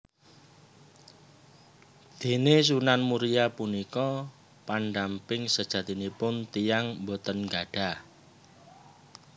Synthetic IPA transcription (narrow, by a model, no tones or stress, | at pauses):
d̪̥e̤nes̬unanmuɾijapunikɔ | panɖampɪŋsəd̥ʒ̥ä̤t̪inipʊnt̪ijaŋmbot̪ənɡa̤ɖ̥a̤